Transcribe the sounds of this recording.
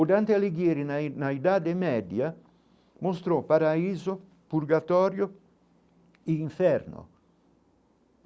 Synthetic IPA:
od̪ant̪ealeɡjɛːɾinaid̪aːd̪emɛd̪ja | most̪ɾɔpaɾaiːzo | puɾɡat̪ɔːɾjo | iiɱfɛɾno̰

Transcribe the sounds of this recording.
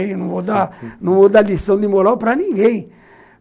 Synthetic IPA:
ẽj̃nɐ̃vod̪anɐ̃vod̪alisɐ̃w̃d̪ɪmoɾawpɾɐnĩŋɡẽj̃

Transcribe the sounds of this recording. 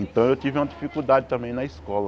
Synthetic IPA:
ẽnt̪ɐ̃w̃ewt̪ivɪũmɐd͡ʒifikud̪ad͡ʒɪt̪ɐ̃mbẽj̃nɐiskɔlɐ

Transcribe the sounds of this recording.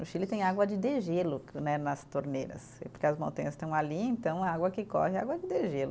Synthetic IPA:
ʊʃilɪt̪ẽj̃aɡwɐd͡ʒɪd̪eʒelʊnɛnɐst̪oɾneɾɐ̰spoɾkeɐzmõnt̪ɐ̃ɲ̃ɐst̪ɐ̃w̃aliẽnt̪ɐ̃w̃aaɡwɐkɪkɔ̰hɪa̰ɡwɐd͡ʒɪd̪eʒelʊ

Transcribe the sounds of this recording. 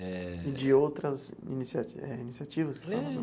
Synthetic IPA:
ɪd͡ʒɪowt̪ɾɐzḭnisiaɛ̰inisiat͡ʃivɐskɪ̥falɐ̃ñ

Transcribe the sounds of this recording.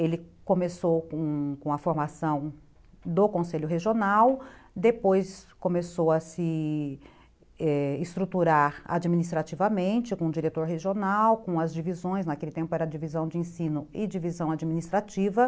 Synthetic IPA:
elɪkõmesowkõkõɐfoɾmasɐ̃w̃ | d̪okõseʎʊɦeʒionawd̪epojskõmesowɐsɪ | ɛɪst̪ɾut̪uɾaɾa̰d͡ʒiminis̬t̪ɾat͡ʃivɐmẽnt͡ʃɪkõd͡ʒiɾet̪oɾɦeʒionawkõɐzd͡ʒivizõj̃snakelɪt̪ẽmpʊɛɾɐd͡ʒivizɐ̃w̃d͡ʒɪẽsĩnʊɪd͡ʒivizɐ̃w̃ad͡ʒiminist̪ɾat͡ʃivɐ

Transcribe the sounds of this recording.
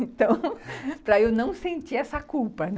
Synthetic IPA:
ẽt̪ɐ̃w̃pɾɐewnɐ̃w̃sẽnt͡ʃiɛsɐkuwpɐn

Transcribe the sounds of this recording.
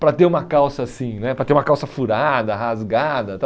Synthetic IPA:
pɾɐt̪eɾũmɐkawsɐsĩj̃nɛpɾɐt̪eɾumɐkawsɐfuɾad̪ɐhazɡad̪ɐt̪a

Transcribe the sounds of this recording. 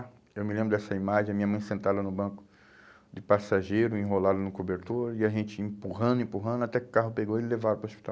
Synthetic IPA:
ewmɪlẽbɾʊd̪ɛsɐimaʒẽj̃ɐmĩɲɐmɐ̃j̃sẽnt̪alanʊbɐ̃kʊ̥ | d͡ʒɪpasaʒejɾʊĩɦolad̪ʊnʊkobeɾt̪oɾɐɪaʒẽnt͡ʃɪĩpuɦɐ̃nd̪ʊĩpuɦɐ̃nd̪ʊat̪ɛkɪʊ̥kaɦʊpeɡowɪlevavʊpɾʊospi̥t̪aw

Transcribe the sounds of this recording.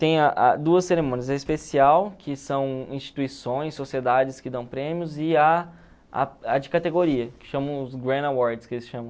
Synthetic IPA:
t̪ẽj̃ɐʔa̰d̪uɐsːeɾemõniɐzɛispesiawkʰɪsɐ̃w̃ĩʃt͡ʃi̥t̪uisõj̃sːosied̪ad͡ʒɪskɪd̪ɐ̃w̃pɾẽmijʊzɪa | a̰ad͡ʒɪkat̪eɡoɾiɐkɪ̥ʃɐ̃mɐ̃w̃ʊzɡɾɐ̃d̪awɔɾd͡ʒɪskelɪsʃɐ̃mɐ̃

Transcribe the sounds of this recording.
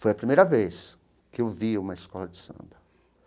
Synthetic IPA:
fojɐpɾimejɾɐves | kɪewviũmɐɪskɔlɐd͡ʒɪsɐ̰̃mbɐ

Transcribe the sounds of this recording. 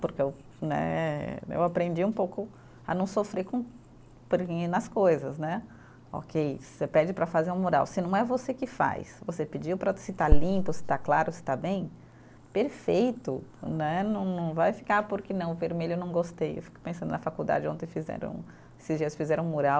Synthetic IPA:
pʊɾkɪew | nɛ̰ɛḛwapɾẽnd͡ʒiũpowkʊ | ɐ̰nɐ̃w̃sofɾekõ | poɾkĩnɐskojzɐsnɛ | ɔ̰kʰejsepɛd͡ʒɪpɾɐfazeɾũmoɾa̰wsɪnɐ̃w̃ɛvosekɪfa̰jsvosepɪd͡ʒipɾɐsɪt̪alĩpʊsɪ̥t̪aklaɾʊsɪ̥t̪abẽj̃ | peɾfejt̪ʊnɛnɐ̃w̃nɐ̃w̃vajfi̥kaɾpʊɾkɪnɐ̃w̃veɾmeʎʊewnɐ̃w̃ɡost̪ejḛwfi̥kʊ̥pẽsɐ̃d̪ʊnɐfakuwd̪a̰d͡ʒɪõt̪ẽj̃fizɛ̰ɾɐ̰̃w̃ | esɪzd͡ʒiɐsfizɛɾɐ̃moɾaw

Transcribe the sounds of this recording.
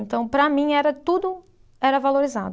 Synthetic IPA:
ẽnt̪ɐ̃w̃pɾɐmĩɛɾɐt̪ud̪ʊ | ɛɾɐvaloɾiza̰d̪ʊ

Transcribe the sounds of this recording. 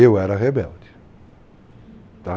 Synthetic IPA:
ewɛɾɐɦebɛld͡ʒɪ | t̪a

